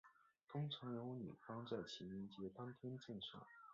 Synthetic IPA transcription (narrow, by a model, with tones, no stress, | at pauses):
t̪ʰʊ˥ŋʈ͡ʂʰɑ˧˥ŋjo˧˥ʊny̰˨˩fɑ˥ŋt͡sa˥˩ɪt͡ɕʰi˧˥ni˧˥nt͡ɕjɛ˥t̪ɑ˥ŋt̪ʰjɛ˥nt͡ɕɛ˥˧nʂɑ̰˥˩˦